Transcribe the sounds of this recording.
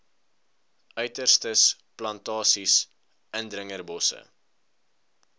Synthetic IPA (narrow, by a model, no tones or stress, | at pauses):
ʔœɥtərstəs | plɐntɑːsis | ʔəndɾəŋərbɔsə̰